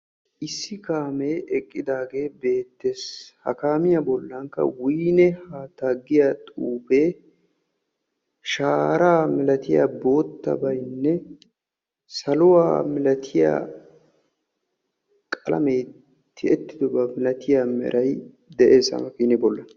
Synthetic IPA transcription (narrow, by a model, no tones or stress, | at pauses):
ʔɪsːɪkaːmeːʔɛkʼːɪd̪aːɡe̞ːbe̞ːt̪ːeshɐ̰kaːmɪjabɔlːɐŋkːɐ̰wiːnɛhaːt̪ːaːɡɪjat̪ʼuːbe̞ː | ʃaːɾaːmɪlɐt̪ɪja̰ːbo̞ːt̪ːɐ̰bɐjnːɛ | sɐlʊwa̰ːmɪlɐt̪ʰɪja̰ː | kʼɐlɐ̰mej | t̪ʰːɪɛt̪ːɪd̪ɔbɐmɪlɐt̪ʰɪjamɛ̰ɾʔɐj | d̪ɛʔeːsɐ̰mɐfiːnɛbɔlːɐn